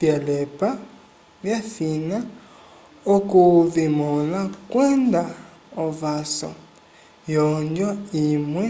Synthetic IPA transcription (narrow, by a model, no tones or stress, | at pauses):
pjalɛpa | vjafina | okuvimɔlakwɛnd̪a | ɔvasɔ̰ | jɔɲd͡ʒɔimwɛ